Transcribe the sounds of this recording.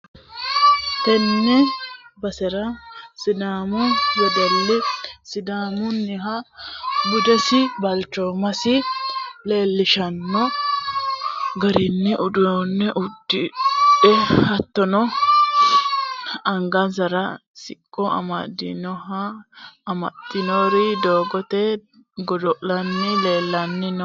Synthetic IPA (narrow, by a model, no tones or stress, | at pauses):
t̪ɛnːɛbɐsɛɾɐsɪd̪aːmɔjɔd̪ɔlːɪsɪd̪aːmʊnːɪɦɐ | bʊd̪ɛsɪbɐlt͡ʃːoːmɐsɪleːlːɪʃɐnːɔ | ɡɐɾɪnːɛʔʊd̪ʊnːɛʔʊd̪ːɪɛhɐt̪ːɔnɔ | ɐŋɡɐzɐɾɐsɪkʼːɔɐ̰mɐd̪ɪ̰nɔɦɐː | mɐ̰t̪ːɪnoːɾɪd̪oːɡɔt̪ɛ | ɡɔd̪ɔʔlɐnːɪleːlːɐnːɪnɔ